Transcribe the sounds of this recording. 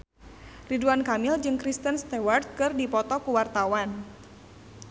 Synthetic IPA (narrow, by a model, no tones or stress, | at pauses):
riduankamɪld͡ʒɨŋkɾist̪ənst̪ɛward̪̚kɨrdipɔt̪ɔkuwart̪awan